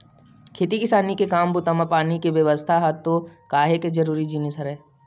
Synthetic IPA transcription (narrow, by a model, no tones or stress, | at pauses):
kʰeːt̪ikɪsaːnikekaːmbʊt̪amapaːnikeʋjəʋəst̪ʰaɦat̪ːokaːɦeked͡ʒəɾuːɾid͡ʒinisɦəɾɛː